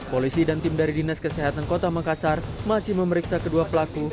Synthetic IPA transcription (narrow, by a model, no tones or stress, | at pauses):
polisidant̪ɪmdaɾidinaskəseɦat̪ankot̪amakasarmasɪhməməɾiksakəduapəlaku